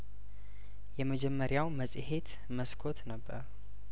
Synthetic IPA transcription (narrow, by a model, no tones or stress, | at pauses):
jɛməd͡ʒɛmːəɾjawməsʼhe̞t̪ | məskʰo̞t̪nəbːə̰ɾ